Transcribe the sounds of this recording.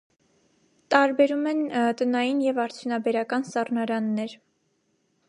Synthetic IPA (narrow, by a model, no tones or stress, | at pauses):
t̪ɑɾbɛɾumɛnt̪ənɑjinjɛvɑɾt͡sʰjunɑbɛɾɑkɑnsɑrnɑɾɑnːɛɾ